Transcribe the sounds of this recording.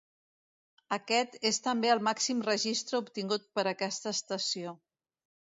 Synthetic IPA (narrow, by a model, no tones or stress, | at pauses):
əkɛt̪est̪əmbeəlˠmaksimrəʒist̪ɾəupt̪iŋɡut̪̚pəɾəkɛst̪əːst̪əsio